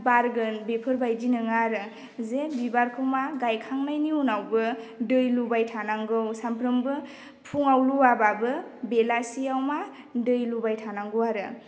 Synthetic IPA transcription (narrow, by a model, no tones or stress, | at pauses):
baɾɡɯnbepʰɯɾbajdinɯŋaɾɯ | zebibaɾkʰɯwmaɡajkʰaŋnajniunawbɯdɯjlubajtʰanaŋɡɯwsampʰɾɯmbɯ | pʰuŋawluwababɯbelasiawma | dɯjlubajtʰanaŋɡuwaɾɯ